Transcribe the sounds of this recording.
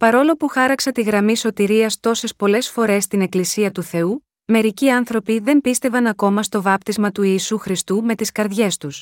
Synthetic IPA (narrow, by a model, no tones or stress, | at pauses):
pɐɾo̞lo̞puxɐɾɐksɐt̪iɣɾɐmiso̞t̪iɾiɐst̪o̞se̞spo̞le̞sfo̞ɾe̞st̪ine̞klisiɐt̪uθe̞u | me̞ɾiciɐnθɾo̞piðe̞mpist̪e̞vɐnɐko̞mɐst̪o̞vɐpt̪izmɐt̪uiːsuxɾist̪ume̞t̪iskɐɾðʝe̞st̪us